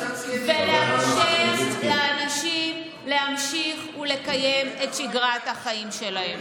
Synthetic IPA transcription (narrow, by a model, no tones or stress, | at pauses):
veleamʃiχlaanaʃim | le̞hamʃiχule̞kajeme̞tʃiɡʁat̪haχaimʃe̞lahe̞m